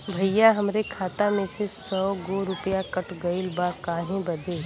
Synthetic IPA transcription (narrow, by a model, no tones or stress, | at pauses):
bʱɐjjaɦɐmɾekʰaːt̪amẽsesɔːɡoɾʊpjakɐʈʰɡɐilbakaːɦẽbɐd̪eː